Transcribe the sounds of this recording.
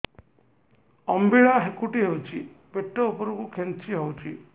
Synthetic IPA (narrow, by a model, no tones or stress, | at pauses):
ɔmbiɭaɦekuʈiɦewt͡ʃʰibeʈːɔupɔɾɔkukʰent͡ʃiɦewt͡ʃʰi